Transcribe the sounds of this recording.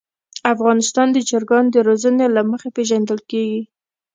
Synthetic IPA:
afɣɑnɪst̪ɑnd̪əd͡ʒaɾɡɑnd̪əɾozənelaməxepeʒand̪əlkeɡi

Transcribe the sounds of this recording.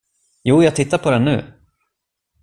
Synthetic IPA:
juːjɑaɡt̪ʰɪt̪ːaɾpʰɔd̪ɛnːʉ̟̰ː

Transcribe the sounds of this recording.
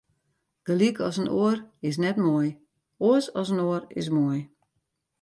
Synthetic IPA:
d̥əlikɔsənoərɪs̬nɛtmoj | oəsɔsənoərɪ̰s̬moəj

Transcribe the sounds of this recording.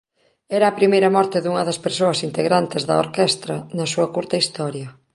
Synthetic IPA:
ɛɾɐːpɾimejɾɐmɔɾt̪ɪðuŋɐðɐspeɾsoɐsint̪eɣɾant̪ezðɐ̰o̰ɾkɛst̪ɾɐnɐsuɐkuɾt̪ɐist̪ɔɾjɐ

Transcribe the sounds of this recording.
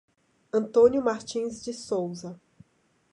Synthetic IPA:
ɐ̃nt̪õnjʊmaɾt͡ʃĩzd͡ʒɪsowzɐ

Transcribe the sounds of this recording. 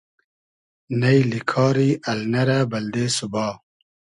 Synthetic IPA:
nɐjlikʰɑːɾiʔɐlnɐɾabɐld̪eːsubɑː

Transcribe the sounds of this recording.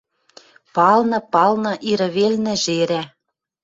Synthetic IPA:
pɑlnɤ̆pɑlnɤ̆ʔiɾɤ̆βelnɘ̆ʒeɾæ

